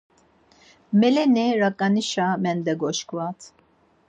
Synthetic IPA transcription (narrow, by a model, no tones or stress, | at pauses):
mɛlɛnɛɾakʼaniʃamɛnd̪ɛɡɔʃkʰʼvat̪ʰ